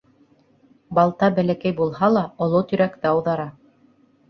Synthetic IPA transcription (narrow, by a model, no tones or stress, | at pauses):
bɑlˠt̪ɑbælækæjbulˠhɑlˠɑŏlˠot̪ɵ̆ɾækt̪ɘɑwðɑɾɑ